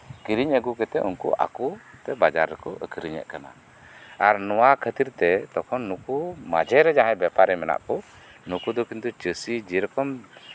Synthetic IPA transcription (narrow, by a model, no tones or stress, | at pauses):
kiɾiɲəɡukɛt̪ɛ̰ʔunkṵʔa̰kut̪ɛbad͡ʒa̰ɾːɛkɔʔəkʰəɾiɲɛ̰ʔkana̰ | aɾnɔwakʰət̪iɾt̪ɛt̪ɔkʰɔnːukuma̰d͡ʒɛɾɛd͡ʒaɦãjbɛpaɾɛmɛna̰ʔkɔ | nukud̪ɔkint̪ut͡ʃəsid͡ʒiɾɔkɔm